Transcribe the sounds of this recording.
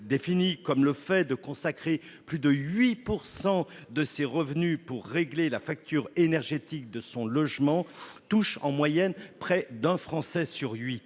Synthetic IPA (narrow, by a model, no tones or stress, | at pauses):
d̪efinikɔmləfɛd̪əkɔ̃sakχe | plyd̪əɥipuʁsɑ̃d̪əseʁəvnypuʁːeɡlelafak̚t̪yːʁenɛʁʒet̪ik̚d̪əsɔ̃lɔʒmɑ̃t̪uʃɑ̰̃mwajɛnpχɛd̪ɛ̃fχɑ̃sɛsyʁɥi